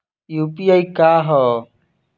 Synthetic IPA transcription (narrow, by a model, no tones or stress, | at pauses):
juːpiːaikaːɦɔː